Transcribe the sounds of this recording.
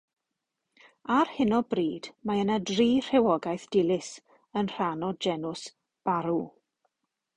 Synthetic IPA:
arhɪnɔbriːd̥maənadriːr̥ɛwɔɡajθd̥ɪlˠɪs | ənr̥anɔd͡ʒɛnʊs | b̥aɾu

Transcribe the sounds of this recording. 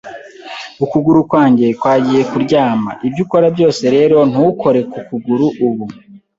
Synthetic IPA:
ukuɡuɾukwaːɲɟe̞kwaːɟije̞kuɾɟaːma̰ʔibɟuko̞ɾabɟo̞ːse̞ɾe̞ːɾo̞n̥uko̞ɾe̞kukuɡuɾuʔːβu

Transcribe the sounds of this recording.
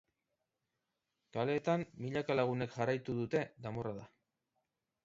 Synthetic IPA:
kale̞ːt̪amːiʎakalaɣ̞une̞kʝarajt̪uðut̪e̞d̪amo̞raða

